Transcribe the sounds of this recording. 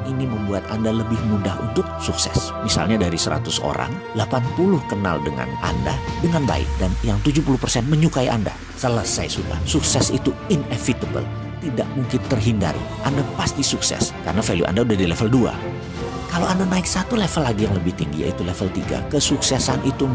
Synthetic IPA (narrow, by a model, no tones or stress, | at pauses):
iniməmbuat̪andaləbɪhmudaɦṵnt̪ʊk̚suksɛ̰s | misa̰lɲadaɾisəɾa̰t̪ʊso̰ɾa̰ŋ | lapanpulʊhkəna̰ldəŋa̰na̰nda̰dəŋanba̰ɪ̰k̚danjaŋt̪ud͡ʒupulʊhpərsɛnməɲukaiʔanda̰ | səlasajasuda̰suksɛsḭt̪uinefit̪əbə̰l | t̪idaʔ̚muŋkɪnt̪ərɦinda̰ɾḭʔandapast̪isuksɛ̰skarənafeljṵʔa̰ndaudahdilefəldua̰ | kalowandanaɪksat̪ulefəlːaɡijaŋləbɪht̪iŋɡḭja̰it̪ulefəlt̪iɡa̰kəsuksɛsanit̪u